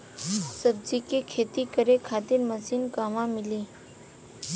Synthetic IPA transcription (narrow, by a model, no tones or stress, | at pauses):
səbd͡ʒiːkekʰeːt̪ikəɾekʰaːt̪ɪnməsiːnkaːʋãmɪliː